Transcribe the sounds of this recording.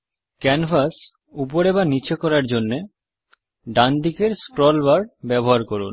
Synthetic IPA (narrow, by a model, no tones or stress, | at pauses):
kɛnfas | up̬oɾebanit͡ɕʰekɔɾaɾd͡ʑonːe | ɖand̪ikeɾskɾɔlbaɾbɛboɦaɾkɔɾṵn